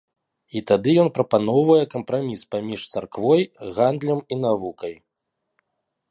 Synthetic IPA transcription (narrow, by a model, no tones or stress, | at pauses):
it̪ad̪ɨjɔnpɾɐpan̪ɔwvɐjɛkɐmpɾamʲispamʲiʂt̪sarkvɔjɣand̪lʲɐminavukɐj